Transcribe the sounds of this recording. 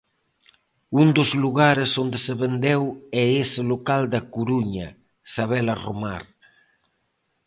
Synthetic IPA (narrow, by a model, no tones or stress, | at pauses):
und̪ozluɣaɾesond̪eseβend̪ɛwɛeselokald̪akuɾuɲa | saβ̞ɛlaroma̰ɾ